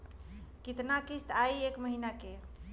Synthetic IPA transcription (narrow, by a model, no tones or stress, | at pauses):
kit̪nakist̪ʰajekməɦinake